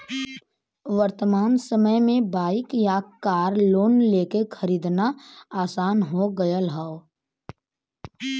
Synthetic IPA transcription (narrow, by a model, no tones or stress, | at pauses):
ʋəɾt̪əmaːnsəməjmẽbaːɪkjakaːɾloːnleːkekʰəɾiːd̪naaːsaːnɦoɡəjəlɦao